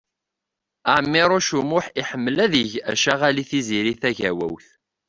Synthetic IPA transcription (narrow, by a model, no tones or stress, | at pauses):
aʕmːɪɾˤʊʃumʊħiħəmːəlæðəʝæʃaʁaliθiziɾiθæʝæwæ̰wθ